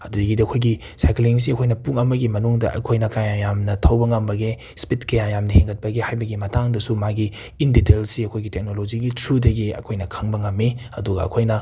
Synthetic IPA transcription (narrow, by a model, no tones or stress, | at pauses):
ɐduɡidɐɐkʰojɡi | sajkliŋs̬iɐkʰojnɐpuŋɐmɐɡimɐnuŋdɐ̰ʔɐ̰kʰojnɐkajajamnɐtʰɐwbɐŋɐmbɐɡe | spitkɐjajamnɐheŋɡɐt̚pɐɡehajbɐɡimɐtaŋdɐsumaɡiː | nditelsiɐkʰojɡitek̚nolod͡ʒiɡitʰɾudɐɡiɐ̰kʰojnɐkʰɐŋbɐŋɐmːiɐ̰duɡɐ̰ɐ̰kʰojnɐ